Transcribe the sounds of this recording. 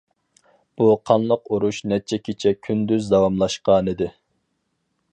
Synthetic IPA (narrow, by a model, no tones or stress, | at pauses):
b̥uqʰɑnlˠəqoɾuʃnɛt͡ʃʰɛkʲʰet͡ʃʰɛkʲʰynd̪yzd̪ɑwɑmlˠɑʃqɑnɨd̪ɪ